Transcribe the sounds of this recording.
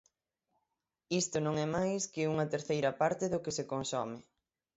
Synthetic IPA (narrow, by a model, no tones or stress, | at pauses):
ist̪ʊnõŋɛmajskɪuŋɐt̪eɾθejɾɐpaɾt̪ɪðʊkɪsekonsɔmɪ